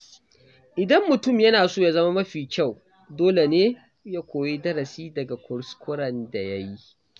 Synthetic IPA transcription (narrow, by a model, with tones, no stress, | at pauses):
ʔɪ˨dɐ˦mːʊ˨tʊ˦mjɐ˦naː˨soː˦˨ja˦zɐ˦ma˦mɐ˦ɸiː˨kʲa˦˨w | doː˦le˨neː˦ | jaː˦kʷoː˨je˦dɐ˦ɾɐ˨siː˦dɐ˨ɡa˨kʷʊ˨ɽskʷʰʊ˦ɽɐ˨nda˨ja˦ji˦